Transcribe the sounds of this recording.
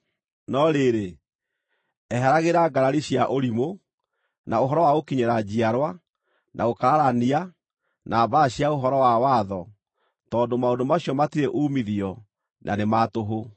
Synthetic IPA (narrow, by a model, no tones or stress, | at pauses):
nɔɾeɾe | ɛɦaɾaɣeɾaɡaɾaɾiɕiaʔoɾimo | naoɦɔɾɔwaokiɲeɾad͡ʑiaɾwa | nʔa̰okaɾaɾania | nʔabaɕiaoɦɔɾɔwawaðɔ | tɔːndomaondomaɕijɔmatiɾeʔuːmiðiɔ | nʔa̰nematoɦo